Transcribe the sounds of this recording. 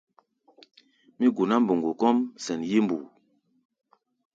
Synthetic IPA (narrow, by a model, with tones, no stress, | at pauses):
mi˦ɡu˨na˦m˦bo˨ŋɡu˨kɔ˦msɛ˨nje˦m˦bu˨